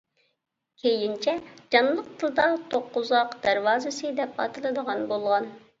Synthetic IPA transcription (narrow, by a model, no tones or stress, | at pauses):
kʲʰejint͡ʃʰɛd͡ʒɑnlˠəq̚t̪ʰɨlˠd̪ɑt̪ʰoqːuzɑqd̪æɾwɑːzɨsɨd̪ɛpɑ̰t̪ʰɨlˠɨd̪əʁɑnbolˠʁɑn